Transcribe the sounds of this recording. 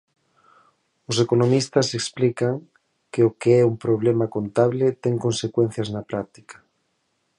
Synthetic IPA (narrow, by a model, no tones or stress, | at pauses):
osekonomist̪aseksplikaŋ | keokeɛumpɾoβ̞lemakont̪aβlet̪ɛŋkonsekwẽn̟θjaznapɾak̚t̪i̥kḁ